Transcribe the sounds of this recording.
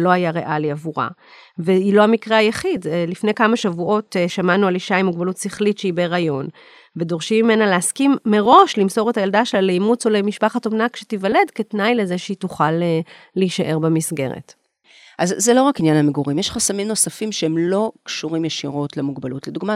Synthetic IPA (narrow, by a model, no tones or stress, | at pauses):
lo̞ajaʁeʔaliavuʁa̰ | veilo̞amikʁeajaχidlifne̞jkamaʃavuʔo̞tʃamanualiʃaimuɡbalutsiχlitʃeibeʁajo̞n | ve̞do̞ʁʃimːime̞naleaskimːe̞ʁo̞ʃlimso̞ʁetajaldaʃelalejmut͡solemiʃpaχatomnakʃetivale̞dke̞tnajleze̞ʃeituχalːeiʃaʔe̞ʁbemisɡe̞̰ʁḛt | ʔazːelo̞ʁakinjanhameɡuʁimjeʃχasamimno̞safimʃeemlo̞kʃuʁimjeʃiʁo̞tlemuɡbalutleduɡma